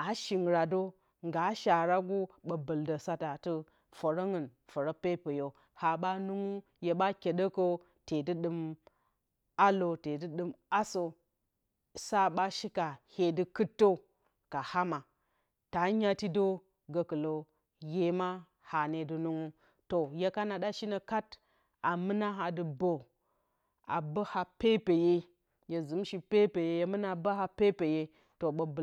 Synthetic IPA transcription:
a˨ʃi˨ŋ˨ɾa˨do˦ | ŋɡa˨˦ʃa˨ɾa˦ɡu˦ɓə˨bə˨ldə˨sa˦ta˨tɨ˦ | fo˨ɾo˦ŋɨ˨nfo˨ɾo˦pe˦pə˨jo˦ | ha˨ɓa˦nu˦ŋu˦ | je˨ɓa˦kʲe˨ɗə˦ko˦ | te˨dɨ˦ɗɨ˦m | a˦lo˨te˨dɨ˦ɗɨ˦ma˦so˨ | sa˦ɓa˦ʃi˦ka˨he˨dɨ˦kɨ˦tːo˦ | ka˨ha˦ma˨ | ta˨˦ɲa˦ti˦do˦ | ɡə˨kɨ˨lo˨ | je˦ma˦ | ha˨ne˨du˨nu˦ŋu˦ | to˨je˦ka˦na˨da˦ʃi˦nə˨ka˦t | a˨mɨ˦na˦ɦa˨dɨ˨bo˨ | a̰˨bə˦ha˨pe˦pe˨je˦ | je˨zu˨˦mʃi˨pe˦pe˨je˦je˦mɨ˦na˦ba˦ɦa˦pe˦pe˨je˦ | to˨ɓə˨b

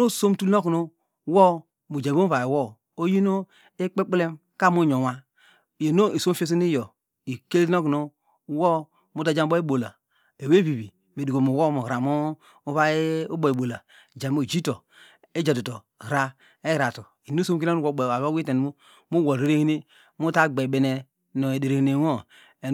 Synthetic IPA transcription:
ɾo˦˨so˦mtu˦lno˦kno˦ | wɔ˦ | mu˨d͡ʒa˨bo˦va˨i˨wɔ˦ | o˦ji˦no˦ | e˦k͡pe˦k͡ple˦m | ka˦mu˦ɲo˨wa˦˨ | je˨no˦i˨so˦mfe˦s̬i˦ni˦jo˨ | i˨ke˦lno˦kno˦ | wɔ˦ | mu˦da˨˦d͡ʒa˦m˦bo˦e˦bo˨la̰˨ | e˨we˦βi˨bi˨ | me˨dko˨mu˨wo˦mo˨ɾa˨mo˦ | u˦βa˦u˦bo˨i˨bo˨la˨ | d͡ʒa˨mo˨d͡ʒi˦to˨ | e˦d͡ʒa˨du˨to˨ | ɾa˦ | e˦ɾa˨to˨ | i˨nu˦so˦m˦ki˦na˦nu˦o˨e˨a˨βo˦wi˦te˨mu˦ | mu˦wo˨ɾe˦ɾe˦hi˦ne˦ | mu˦ta˦ɡ͡be˨be˨ne˨ | no˨e˨de˨ɾe˨hi˨ne˨wo˦ | e˨

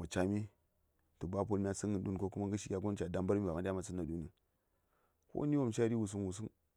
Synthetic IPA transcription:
ma˨t͡ʃa˨mi˦ | tu˨ba˦p̬o˦lmʲi˦a˦si˦nə˨du˦nko˦ku˦ma˦ŋɡə˦ʃi˦kʲa˦ɡo˦n˦t͡ʃa˨da˦mba˦ɾmi˦ba˨ma˦a˦ma˨sə˦na˨du˦ni˨ | ko̰˦ni˦wo˦˨mt͡ʃa˦ɾi˦wu˨s̬u˦nwu˨s̬u˦n

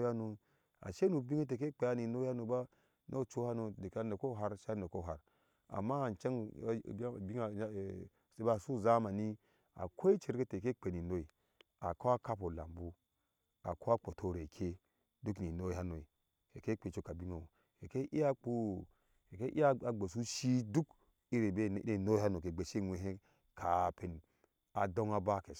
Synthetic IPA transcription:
ja˦no˨ | a̰˨ʃe˦nu˨bi˦ŋe˦te˨ke˦k͡pe˨ja˦ni˨no˦ja˦no˨ba˦ | nʔo˦˨t͡ʃo˦ha˦no˨de˨ka˦no˨ko˦ɦa˦ɾʃno˨ko˦˨ɦa˨ɾ | a̰˨mːa˦˨n˨t͡ʃa˦ŋ̰˦˨˦ | bi˦ŋa˨˦˨ | se˦ba˦˨su˦˨za˦ma˨ni˦ | a̰˨kʰo˦i˦t͡ʃe˨ɾɡe˦te˨ke˦k͡pe˨ni˨no˦i˨ | a˨ko˦a˦ka˦po˨la̰˨mbu˦ | a˨ko˦a˦k͡po˨tʰo˦ɾe˨kʰe˦ | du˦kni˨no˦i˦ha˦no˨i˨ | e˨ke˦k͡pe˨t͡ʃo˦ka˨bi˦ŋa˨o˨ | e˨ke˦ʔi˦a˦k͡pu˦ | e˨ke˦ʔi˦a˦a˨ɡ͡be˨s̬u˦ʃi˦du˦k | i˦ɾe˨be˦e˦˨no˦ha˦no˨ke˨ɡ͡be˨ʃe˦˨nʷ˨e˨ɦe˦ | kʰa˨pe˨n˨ | a˨do˦ŋa˦ba˦ke˨

